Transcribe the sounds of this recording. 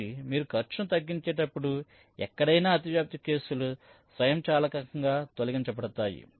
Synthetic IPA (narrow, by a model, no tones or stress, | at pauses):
imiːɾukʰɐɾt͡ʃɐnut̪ɐɡːiɲt͡ʃɛːʈɐpːuɽu | ɛ̰kːɐɽɐjnaːɐt̪̬iʋjaːp̚t̪ike̞ːsulu | sʋɐjɐmt͡ʃaːlɐkɐkɐŋɡaːt̪oliɡɐɲt͡ʃɐpɐɽɐt̪aːjḭ